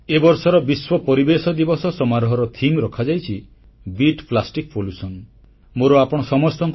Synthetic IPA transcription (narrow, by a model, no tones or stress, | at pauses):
ebɔɾsɔɾɔbiswɔpɔɾibesɔd̪ibɔsɔsɔmaɾɔɦɔɾɔt̪ʰimɾɔkʰad͡ʒajt͡ʃʰi | biʈplasʈikpolusɔn | moɾɔapɔɽ̃ɔsɔmɔst̪ɔŋk